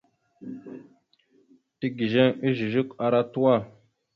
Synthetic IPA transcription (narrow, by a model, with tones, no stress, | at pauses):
ti˦ɡi˨ʒe˦ŋi˦ʒi˨ʒu˦ka˨ɾa˦tu˦wa˦˨